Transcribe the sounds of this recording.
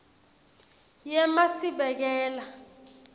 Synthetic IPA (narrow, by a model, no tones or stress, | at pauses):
jɛmasiɓɛk̬ɛːla